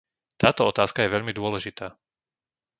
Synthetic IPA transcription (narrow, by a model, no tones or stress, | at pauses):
t̪aːt̪ɔɔt̪aːskajɛʋɛʎmid̪ʊɔlɛʒit̪aː